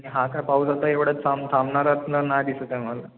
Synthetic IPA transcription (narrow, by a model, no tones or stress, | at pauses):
ɽiɦãkapausat̪aeʋɽ̤ət͡s̪samt̪ʰamnaɾat̪unlanajd̪isət̪amʋala